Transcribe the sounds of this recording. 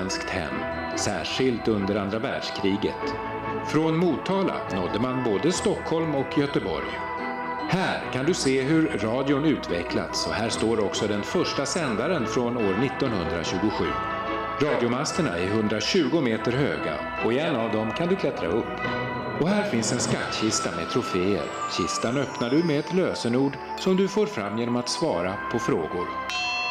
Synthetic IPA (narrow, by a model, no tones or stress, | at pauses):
nskt̪hɛ̰mː | sæ̰ːʂɪlt̪ɵnd̪əɾand̪ɾavæːɖʂkʰɾiːɡə̰t̪ | fɾɔnmuːt̪ʰːɑːla̰nɔd̪ːəmanboːd̪əst̪ɔkʰhɔlmɔkjœt̪əbɔ̰ɾj | hæːɾkʰand̪ɵseːɦɵɾːɑːd̪ɪʊnʉ̟ːt̪vɛkla̰t̪sɔhæːʂt̪oːɾɔksɔd̪ɛnfœʂʈasɛnd̪aɾənfɾɔnoːɾnɪt̪ːɔnɦɵnd̪ɾa̰ɕʉ̟ːɡʊɧʉ̟ː | ɾɑːd̪jʊmast̪əɳa̰ɛɾɦɵnd̪ɾaɕʉ̟ːɡʊmeːt̪əɾɦø̰ːɡa̰ | ɔɛnːavd̪ɔmkʰand̪ɵkʰlɛt̪ɾa̰ɵpː | ɔɦæːɾfɪnsɛnskat̪ːɕɪst̪amɛ̰t̪ʰɾʊfeːə̰ɾɕɪst̪anœpnaɖɵmɛɛt̪løːsənuːɖ | sɔmd̪ɵfoːɾfɾamːjeːnɔmat̪svɑːɾapʰɔfɾo̰ːɡʊɾ